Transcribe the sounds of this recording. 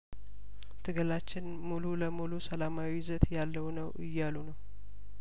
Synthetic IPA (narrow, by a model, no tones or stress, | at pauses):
t̪ʰɨɡəlat͡ʃːɪn | mululəmulusəlamawizət̪jalːəwnəwʔɨjːalunəw